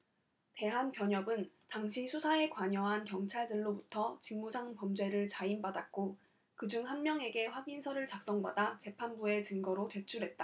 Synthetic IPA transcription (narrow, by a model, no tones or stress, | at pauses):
te̞ɦanpjʌɲʌbɯn | taŋɕʰisʰusʰae̞kwaɲʌɦankjʌŋt͡ɕʰaɭdɯɭːobutʰʌt͡ɕiŋmusʰaŋpʌmd͡ʑwe̞ɾɯɭt͡ɕainbadat̚k͈o | kɯd͡ʑuŋhanmjʌŋe̞ɡe̞ɸwaɡinsʰʌɾɯɭt͡ɕak̚s͈ʌŋbadat͡ɕe̞pʰanbue̞t͡ɕɯŋɡʌɾot͡ɕe̞t͡ɕʰuɾɦe̞t̚t͈a